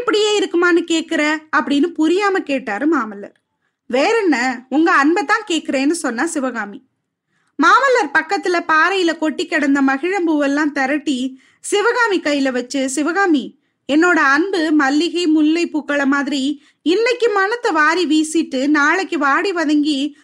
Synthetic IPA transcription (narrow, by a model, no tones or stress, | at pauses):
ɪpːɐɽɪjeːɪɾɯkːɯmaːnɯkeːʈ̚kɪɾɐɐpːɐɽɪnːɯpʊɾɪjaːmɐkeːʈːaːɾɯmaːmɐlːɐ̰ɾ | ʋeːɾɐnːɐʊŋɡɐɐnbɐt̪ːãːkeːʈ̚kɪɾeːnːɯsɔnːaːsɪʋɐɣaːmi | maːmɐlːɐɾpɐkːɐt̪ːɪlɐpaːɾɐjɪlɐkɔʈːikːɛɽɐnd̪ɐmɐɣɪɻɐmbuʋɛlːãːt̪ɐɾɐʈːi | sɪʋɐɣaːmikɐjɪlɐʋɐt͡ʃːɯsɪʋɐɣaːmi | ɛnːoːɽɐɐnbɯmɐlːɪɣɐɪmʊlːɐɪpːuːkːɐɭɐmaːðɪɾi | ɪnːɐkːɯmaːnɐt̪ːɐʋaːɾiʋiːsɪʈːɯnaːɭɐkːɯʋaːɽiʋɐðɐŋɡi